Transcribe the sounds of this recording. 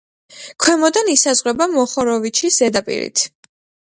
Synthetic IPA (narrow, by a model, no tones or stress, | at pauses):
kʰwɛmɔd̪anisazʁwɛbamɔχɔɾɔvit͡ʃʰisz̥ɛd̪apʼḭɾḭt̪ʰ